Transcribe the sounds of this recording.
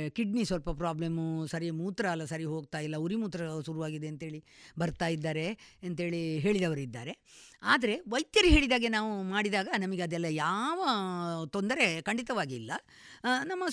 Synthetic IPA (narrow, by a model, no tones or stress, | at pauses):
kiɖnisʋɐlpɐpɾaːblemusɐɾijmuːt̪ɾɐːlːɐsɐɾiɦo̞ːɡ̚t̪aːjilːɐuɾimuːt̪ɾɐʃuɾuʋaːɡid̪e̞ɐnt̪ɦe̞ːɭibɐɾt̪aːjid̪ːaːɾe̞ɐnt̪ɦe̞ːɭiɦe̞ːɭid̪ɐʋɐɾid̪ːa̰ːɾe̞aːd̪ɐɾe̞ʋɐjt̪jɐɾiɦe̞ːɭid̪aːɡenaːʋumaːɽid̪aːɡɐnɐmɐɡeɐd̪ɛlːɐjaːʋɐt̪ond̪ɐɾe̞kɐɳɖit̪ɐʋaːɡiːlːɐ | nɐmːɐ